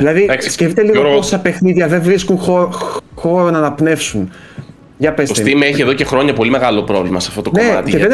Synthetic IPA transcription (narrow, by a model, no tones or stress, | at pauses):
ðilɐðisscefit̪eliɣoosɐpe̞xniðʝɐðevɾiskunxoxo̞ɾonɐnɐpne̞fsun | ʝɐpesoset̪imeçieðo̞cexɾo̞ɲɐpo̞limeɣɐlo̞pɾo̞vlimɐseɐft̪o̞t̪oknoeɐ̰t̪ieðe